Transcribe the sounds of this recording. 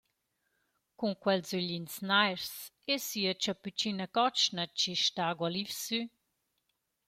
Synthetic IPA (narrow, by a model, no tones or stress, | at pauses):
kuŋkwɛlzyʎinsnajɾs | esiət͡ʃapyt͡ʃinəkɔt͡ʃnət͡ʃiʃtaɡwalifsy